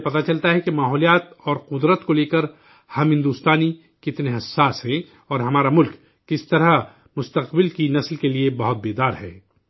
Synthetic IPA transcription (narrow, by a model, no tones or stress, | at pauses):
pɐt̪at͡ʃɐlt̪aɦɛkemaːɦɔːlijaːt̪ɔːɾqʊd̪ɾət̪koleːkəɾ | hɐmɦɪ̃nd̪uːst̪aːni | kɪt̪neɦɐsːaːsɦɛ̃ | ɔːɾɦɐmaːɾamʊlkː | ɪst̪ɐɾə | mʊst̪ɐqbɪlkinɐslkeliebɐɦʊt̪̚beːd̪aːɾɦɛ̰ː